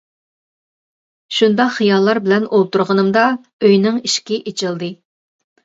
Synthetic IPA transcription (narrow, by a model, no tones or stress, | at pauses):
ʃund̪ɑχijɑlˠːɑɾbɪlɛnolˠt̪uɾʁənɨmd̪ɑ | øjnɪŋiʃkʲiʔet͡ʃʰɪlˠd̪ɨ